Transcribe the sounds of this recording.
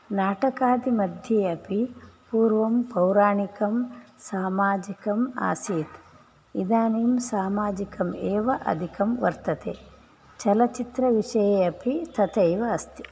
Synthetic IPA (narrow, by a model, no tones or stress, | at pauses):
naːʈɐkaːd̪imɐd̪ʱjeːɐpipuːɾʋɐmpɐwɾaːɳikɐmsaːmaːd͡ʒikɐma̰ːsiːt̪ | id̪aːnimsaːmaːd͡ʒikɐmeːʋɐʔɐ̰d̪ʱikɐmʋɐ̰ɾt̪ɐt̪ḛː | t͡ʃɐlɐt͡ʃit̪ɾɐʋiʂɐjeːɐpit̪ʰɐt̪ɐjʋɐːst̪i̥